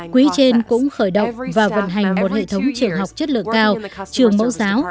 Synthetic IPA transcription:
kwi˨˦t͡ɕe˧nkʊ̰˧˥ŋ͡mxəː˧˩jɗə̰˧˨wŋ͡mvaː˨˩və̰˧˨nɦa˨˩jŋ̟mo˨˩t̚hḛ˧˨t̪ʰə˨˦wŋ͡mt͡ɕɨ˨˩əŋɦa˨˩wk͡p̚t͡ɕə˦˥t̚lɨ̰˧˨əŋkaː˧wt͡ɕɨ˨˩əŋmə̰˧˥wzaː˨˦w

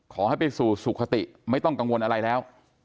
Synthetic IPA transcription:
kʰɔː˩˦ha˥˩jpa˧jsuː˨˩su˨˩kʰːa˧t̪ḭ˨˩ʔma˥˩jt̪ɔ˥˩ŋka˧ŋwo˧nʔa˧ɾa˧jlɛː˦˥w

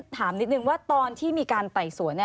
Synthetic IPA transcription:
t̪ʰaː˩˦mni˦˥t̪̚nɯ˧ŋwaː˥˩t̪ɔː˧nt̪ʰiː˥˩miː˧kaː˧nt̪a˨˩jsu˨˩˦ənːi˥˩

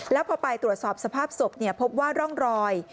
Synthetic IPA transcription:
lɛ˦˥wpʰɔː˧pa˧jt̪ɾu˨˩ət̪̚sɔː˨˩p̚sa˧pʰaː˥˩p̚so˨˩k̚ni˥˩pʰo˦˥p̚waː˥˩ɾɔ˥˩ŋɾɔː˧j

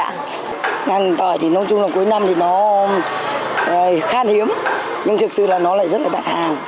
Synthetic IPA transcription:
ŋa˨˩jŋ˨˩t̪əː˧˩jt̪ʰi˨˩nə˨˧wŋ͡mt͡ɕʊ˧ŋ͡mlaː˨˩wku˨˦jna˧mt̪ʰi˨˩nɔ˨˦˨ | xaː˧nhi˨˦əm | ɲɨ˧ŋt̪ʰɨ˨˩k̚sɨ̰˧˨laː˨˩nɔ˨˦la̰ː˧˨jzə˦˥t̚laː˨˩aː˨˩t̚haː˨˩n

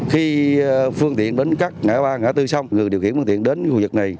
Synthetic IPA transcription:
xi˧fɨ˧əŋt̪ḭ˧˨ənɗe˨˦nkaː˦˥k̚ŋa̰ː˧˦ɓaː˧ŋa̰ː˧˥t̪ɨ˧sa˧wŋ͡mŋɨ˨˩jɗi˨˩wxnft̪ḭ˧˨ənɗe˨˦nt͡ɕṵ˧˨vɨ˨˩k̚na˨˩j

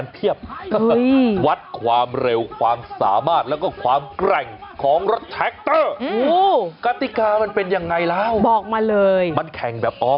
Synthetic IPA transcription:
np̪ʰi˥˩əp̚ɤ˦˥jwa˦˥t̪̚kʰwaː˧mɾe˧wkʰwaː˧msa̰ː˩˦maː˥˩t̪̚lɛː˦˥wkɔː˥˩kʰwaː˧mkɾɛ˨˩ŋkʰɔː˩˦ŋɾo˦˥t̪ʰːɛ˦˥k̚t̪ɤː˥˩oː˧˥kaː˧t̪i˨˩kaː˧ma˧npe˧nja˧ŋːa˧jlɛː˦˥wbɔː˨˩k̚maː˧lɤː˧jma˧nkʰɛ˨˩ŋbɛː˨˩p̚ʔɔː˦˥

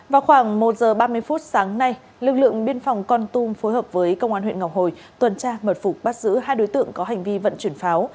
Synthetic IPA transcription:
vaː˨˩wxwaː˧˩ŋmo˨˩t̚zəː˨˩ɓaː˧mɨ˧əjfu˦˥t̚saː˨˦ŋna˧j | lɨ˨˩k̚lɨ̰˧˨əŋɓi˧ənfɔ˨˩wŋ͡mkɔ˧nt̪u˧mfo˨˦jɦəː˨˩p̚vəː˨˦jkə˧wŋ͡mʔaː˧nwḭ˧˨ŋa˨˩w̚ho˨˩j | t̪wə˨˩nt͡ɕaː˧mə˨˩t̚fʊ˨˩k͡p̚ɓaː˦˥t̚zɨ̰˧˥ɦaː˧jɗo˨˦jt̪ɨ̰˧˨əŋkɔ˨˦ɦa˨˩jŋ̟vi˧və̰˧˨nt͡ɕwi˧˩ənfaː˨˦w

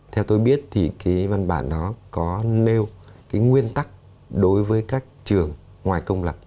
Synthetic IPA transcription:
t̪ʰɛ˧wt̪o˧jɓi˦˥ət̚t̪ʰi˨˩kaː˨˦jva˧nɓa̰ː˧˩nːɔ˨˦kɔ˨˦ne˧wkaː˨˦jŋwi˧ənt̪a˦˥k̚ | ɗo˨˦jvəː˨˦jkaː˦˥k̚t͡ɕɨ˨˩əŋː | waː˨˩jkə˧wŋ͡mlə˨˩p̚

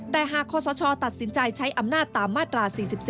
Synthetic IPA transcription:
daː˧˩jɦaː˨˩kʰːɔː˧˩sɔː˨˦t͡ɕʰɔː˧t̪a˨˩t̪̚si˨˩˦nt͡ɕa˧jt͡ɕʰa˦˥jʔa˧mnaː˥˩tt̪ːaː˨˩mːaː˥˩t̪ɾaː˧siː˨˩si˨˩p̚s

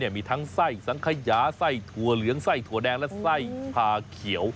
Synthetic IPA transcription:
ni˥˩əmiː˧t̪ʰaː˦˥ŋsa˥˩jsa˨˦ŋkʰa˧jaː˨˦˥sa˥˩jt̪ʰu˧˩ɐlɯ˨˦əŋsa˥˩jt̪ʰu˧˩ɐədɛː˧ŋlɛ˦˥sa˥˩jpʰaː˧kʰi˨˩˦əw

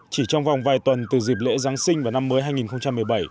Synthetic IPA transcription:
t͡ɕi˧˩t͡ɕɔ˧wŋ͡mva˨˩wŋ͡mvaː˨˩jt̪wə˨˩nt̪ɨ˨˩zi˨˩p̚lḛ˧˥zaː˨˦ŋsï˧ŋvaː˨˩na˧mːəː˨˦jɦaː˧jŋi˨˩nxə˧wŋ͡mt͡ɕa˧mːɨ˨˩əjɓa˧˩j

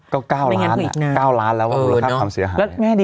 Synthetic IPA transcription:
kɔː˥˩kaː˥˩wllŋː˧˦˥n̰̚ʰ˥˨˩naː˧˩kaː˥˩wlaː˦˥nlɛː˦˥waː˥˩˨u˧a˩a˥˩˧kwaː˧msi˨˩˦ɐɦaː˨lɛ˦˥˦mː˥˩˥diː˧

